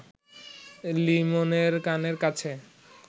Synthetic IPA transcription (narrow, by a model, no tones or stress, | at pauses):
limoneɾkaneɾkat͡ɕʰe